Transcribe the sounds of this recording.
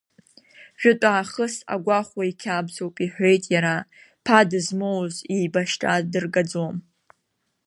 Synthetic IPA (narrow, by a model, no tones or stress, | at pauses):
ʒʷᶣʊtʼaːχəsa̰ɡʷaχʷwaikʲʰabzowpʼiħʷᶣe̞jtʼjaɾa | pʰadɨzmowziːbaʃtʼadɨrɡad͡zom